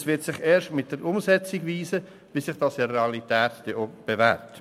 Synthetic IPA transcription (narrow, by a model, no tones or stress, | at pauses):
sʋɪtsɪχeːɾʃtmɪt̚d̥əɾʊmzɛt͡sɪɡʋiːsə | bisɪχd̥ɑsireɑlitɛːtd̥ɛob̥evæ̰ːɾt